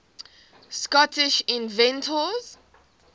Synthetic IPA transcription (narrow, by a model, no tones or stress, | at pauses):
skɔtɪʃĩnvɛ̃ntʰəz̥